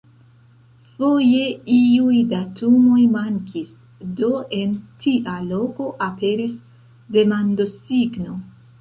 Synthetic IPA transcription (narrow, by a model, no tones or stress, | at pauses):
fo̞je̞iujdatʰumo̞jmaŋkʰis | do̞e̞ntʰiʔalo̞ko̞ʔape̞ɾis | de̞mando̞siɡno̞